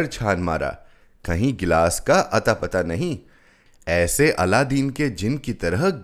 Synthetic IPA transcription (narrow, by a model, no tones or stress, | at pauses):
ɾt͡ʃʰaːnma̰ːɾa̰ː | kɐɦĩɡɪlaːskaʔɐt̪apɐt̪anɐɦĩ | ɛːseʔɐ̰lad̪iːnked͡ʒɪnkit̪ɐɾəɦ